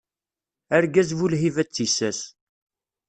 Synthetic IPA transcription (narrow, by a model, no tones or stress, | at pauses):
æɾɡæzvulɦivæt͡sːisæs